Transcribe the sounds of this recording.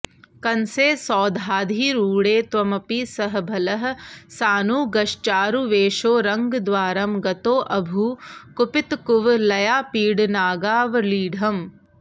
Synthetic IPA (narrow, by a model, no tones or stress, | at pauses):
kɐnseːsɔːd̪ʱaːd̪ʱiːɾuːɽeːt̪ʋɐmɐpisɐɦɐ̆bʱɐlɐɦɐ̆saːnuːɡɐʃt͡ʃaːɾuʋeːʃoːɾɐŋɡd̪ʋaːɾɐmɡɐt̪oːʔɐbʱukupit̪kuʋlɐjaːpiːɽnaːɡaːʋɐliːɖʱɐm